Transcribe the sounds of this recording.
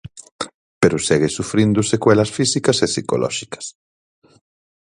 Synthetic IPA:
peɾʊsɛɣesufɾind̪ʊsekwɛlɐsfisikɐsesiko̰lɔ̰ʃi̥kɐ̥s

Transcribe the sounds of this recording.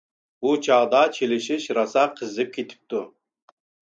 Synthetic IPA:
but͡ʃʰɑʁd̪ɑt͡ʃʰelɪʃiʃɾɑsɑqʰəzɪp̚kʲʰet̪ʰɪ̥p̚t̪u

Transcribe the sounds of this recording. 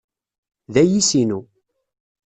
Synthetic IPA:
ðæjisinu

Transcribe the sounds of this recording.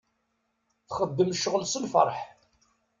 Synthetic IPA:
θχəd̪ːəmʃəʁəlsəlfə̰ɾˤħ

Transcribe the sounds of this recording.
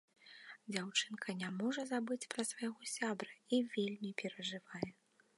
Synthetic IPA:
d͡zʲawt͡ʂɨnkʰɐnʲamɔʐɐzabɨt͡sʲpɾɐsvajaɣɔsʲabɾɐivʲelʲmʲipʲɛɾɐʐɨvajɛ

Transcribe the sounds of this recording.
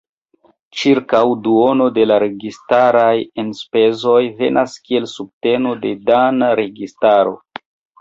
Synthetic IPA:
t͡ʃiɾkawduo̞no̞de̞laɾe̞ɡistaɾajenspe̞zo̞jve̞̰nʔaskie̞lsub̚te̞no̞de̞danaɾe̞ɡistaɾo̞̰

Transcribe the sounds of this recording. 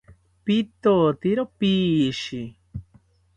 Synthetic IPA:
pit̪ot̪iɾopiːʃi

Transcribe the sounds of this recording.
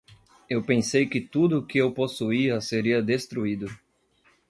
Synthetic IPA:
ewpẽsejkɪt̪ud̪ʊkɪewposuiɐseɾiɐd̪est̪ɾuid̪ʊ

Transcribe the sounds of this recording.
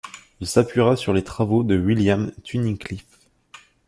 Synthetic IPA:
ilsapɥiʁasyʁlet̪χavod̪əwiljamt̪ʰyniklif

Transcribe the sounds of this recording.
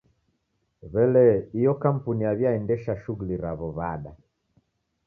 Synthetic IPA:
βɛlɛijɔkam̩puniaβjaɛndɛʃaʃuɣuliɾaβɔβaɗa

